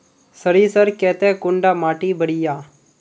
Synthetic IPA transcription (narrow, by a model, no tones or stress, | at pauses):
səɾiːsəɾkɛːt̪ɛːkʊɳɖaːmaːʈiːbəɽɪjaː